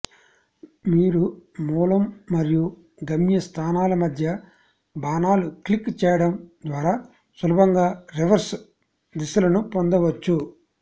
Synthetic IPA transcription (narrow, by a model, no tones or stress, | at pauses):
miːɾumuːlɐmːɐɾiju | ɡɐmjɐst̪ʰaːnaːlɐmɐd̪ʱjɐ | baːnaːluklikːt͡ʃɛːjɐɽɐmd̪ʋaːɾaː | sʋɐlubɐŋɡaːɾiʋɐɾs | d̪isulɐnupond̪ɐʋɐt͡ʃːu